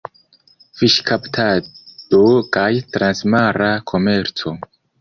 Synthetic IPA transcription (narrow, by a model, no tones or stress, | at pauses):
fiʃkʰaptʰad̥okajtɾansmaɾakʰo̞me̞ɾt͡so̞